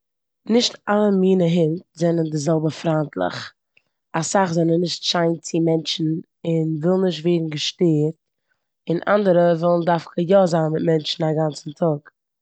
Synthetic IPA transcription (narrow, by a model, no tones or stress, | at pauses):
nɪʃtalˠəmiːnəɦɪntzɛnəndɪzɛlˠbəfɾantlˠɪ̰χ | asaχzɛnənːɪʃtʃaɪnt͡sɪmɛnt͡ʃn̩ | ɪnvɪlˠnɪʃtveːdn̩ɡəʃteːɾt̚ | ɪnʔa̰ndəɾəvɪlˠn̩daɾfkəjɔzanmɪt̚mɛnt͡ʃn̩aɡant͡sn̩tʰɔk